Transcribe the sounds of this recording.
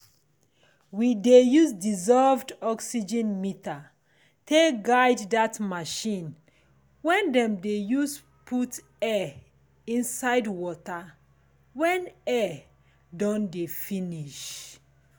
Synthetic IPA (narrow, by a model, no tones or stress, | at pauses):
widejusdizɔlvdɔksid͡ʒɛ̃nmita | tʰeɡaɪddatmaʃĩn | wɛ̃ndɛ̃mdejus | pʰut | ɛ | ĩnsaɪdwɔta | wɛ̃nɛ | dɔ̃ndefĩniʃ